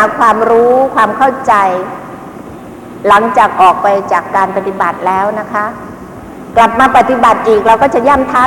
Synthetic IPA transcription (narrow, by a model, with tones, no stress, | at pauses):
kʰwaː˧mɾuː˦˥kʰwaː˧mkʰa˥˩wt͡ɕa˧j | la˩˦ŋt͡ɕaː˨˩k̚ʔɔː˨˩k̚pa˧jt͡ɕaː˨˩kːaː˧npa˧t̪i˨˩ba˨˩t̪̚lɛː˦˥wna˦˥kʰa˦˥ | kla˨˩p̚maː˧pa˧˩t̪ːi˨˩ba˨˩t̪̚ʔiː˨˩k̚ɾaː˧wkɔː˥˩t͡ɕa˨˩jaː˥˩mt̪ʰaː˦˥˩